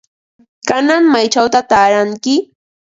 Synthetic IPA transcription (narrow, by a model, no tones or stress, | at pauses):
kanaŋmajt͡ʃawt̪at̪aːɾaŋkɪ